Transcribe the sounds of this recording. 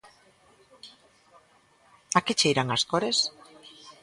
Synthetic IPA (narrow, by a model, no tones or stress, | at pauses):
aket͡ʃejɾaŋaskoɾes